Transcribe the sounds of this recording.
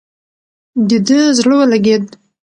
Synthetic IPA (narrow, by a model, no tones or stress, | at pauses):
d̪id̪əzləwəlaɡed̪̚